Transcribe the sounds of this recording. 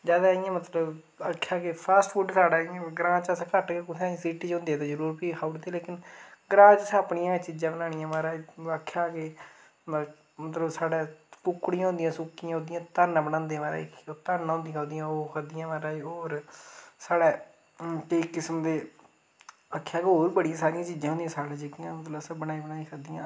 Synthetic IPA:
d͡ʒaːd̪aːɪjãːmət̪ləb | əkʰːjaːkepʰaːsʈfʰuːɖsaːɽaːãɡɾãːt͡ʃəskəʈkekʊsʰãːĩsiːʈiːt͡ʃõːnd̪eɛːt̪oːzəɾuːɾpiːkʰaːuɽt̪eːleːkɪnɡəɾãːd͡ʒsaːpɳɪjãːt͡ʃid͡ʒãːbənãːɽ̃ijãːmaːɾaːiːakʰːjaːke | mət̪ləbsaːɽɛːpʊkːɽĩjãːɦõːnd̪ɪijãːsʊkːɪjãːɦõnd̪ɪjãːt̪ənbənãːnd̪eãmaːɾa̰ːikot̪ənɦõːnd̪ijãːoːnd̪ijãːoːkʰəd̪ɪjãːmaɾaːiːɦoːɾsaːɽɛː | ʈeːkːɪsəmd̪eː | əkʰːjaːkɦoːɾbəɽijãːsaːɾɪjãːt͡ʃiːd͡ʒãːɦnd̪ijãːsaːɽãːd͡ʒekɪjãːmət̪ləbsəbənaːiːbənaːiːkʰəd̪ijãː

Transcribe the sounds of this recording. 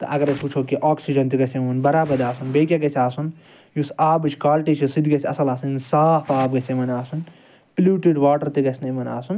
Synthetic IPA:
t̪ɐ̰ʔɐ̰ɡɐɾɐt͡ʃput͡ʃʰoːkiʔaːksid͡ʒɐnt̪iɡɐt͡ʃʰemɐnbɐɾaːbɐd̪aːsunbeːkʲjaɡɐt͡ʃʰaːsun | jusaːbɨt͡ʃʰkaːlʈit͡ʃʰisid̪ɡɐt͡ʃʰʲɐsɐlaːsɨnsaːpʰaːbɡɐt͡ʃʰemɐnaːsun | pluːʈiɖʋaːʈɐɾt̪iɡɐt͡ʃʰnemɐna̰ːsun

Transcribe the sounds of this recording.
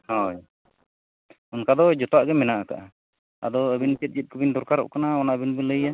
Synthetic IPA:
hɔj | unkad̪ɔd͡ʒɔt̪ɔaʔɡɛmɛnaʔakaʔa | a̰d̪ɔəbinpit̪̚d͡ʒit̪̚kəbind̪ɔɾkaɾɔ̰ʔkanaɔnabinbələja

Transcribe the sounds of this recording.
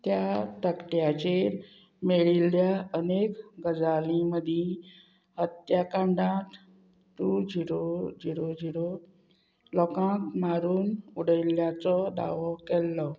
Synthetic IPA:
t̪jat̪əkʈjat͡ɕeɾ | meɭiljaənekɡəd͡zalĩməd̪ʱĩ | hət̪jakãɳɖãt̪ | t̪ud͡ʑiɾod͡ʑiɾod͡ʑiɽo | lɔkãkmaɾuːnuɽəilːjat͡sɔd̪a̰ʋɔkɛlːɔ

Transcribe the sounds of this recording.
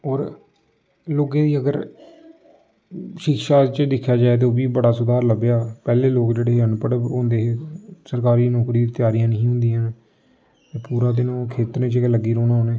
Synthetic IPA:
ɔːɾ | loːkẽːd̪iːəɡəɾ | ʃɪkʃaːt͡ʃd̪ɪkʰːjaːd͡ʒaːet̪̬eːoːbiːbəɽaːsʊd̪aːɾləbjaːpɛːleːloːkd͡ʒeːɽeːənpəɽɦõːnd̪eːɦeːsəɾkaːɾiːnɔːkɾiːd̪t̪ɪjaːɾijãːnəɦĩːɦʊ̃nd̪iːãːn | eːpuːɾaːd̪ɪnõːkʰeːt̪əɾẽːt͡ʃeləɡːiːɾoːnaːoːneː

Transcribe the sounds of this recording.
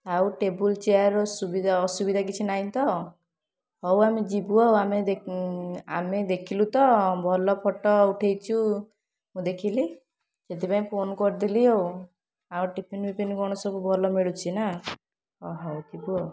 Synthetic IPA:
awʈebult͡ʃeɔɾɔsubid̪ʱaɔsubid̪ʱak̬it͡ʃʰinaĩt̪ɔ | hɔwamid͡ʒibuɔamed̪e | a̰med̪ekʰilut̪ɔbʱɔlɔpʰɔʈɔuʈʰejt͡ʃʰu | mũd̪ekʰili | d͡ʒet̪̬ipaĩpʰonkɔɾd̪iliow | auʈipʰinbipinkɔɽ̃ɔsɔbubʱɔlɔmiɭut͡ʃʰina | ɔɦɔkibuɔ

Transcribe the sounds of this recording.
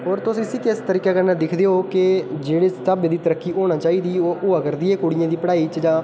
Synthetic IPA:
ɦoːɾt̪ʊsĩːsĩːkɪst̪əɾiːkaːkəɾnãːd̪ɪkʰd̪eːɦoːkɪd͡ʒeːɽeːst̪əbed̪iːt̪əɾəkːiːʔoːɽ̃ãːt͡ʃaːiːd̪iːooːəkəɾd̪iːeːkoːɽijãːd̪iːpəɽaːiːt͡ʃd͡ʒãː

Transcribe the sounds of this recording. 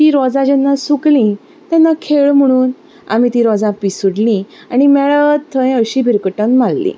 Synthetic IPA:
t̪iɾɔd͡zãd͡ʑɛnːasuklĩ | t̪janːakʰeɭm̤əɽ̃uːn | a̰mit̪ĩɾɔd͡zãpisuɽlĩ | aɽ̃imɛɭət̪ʰːə̃j̃əɕibʱiɾkəʈə̃nmalːḭ̃

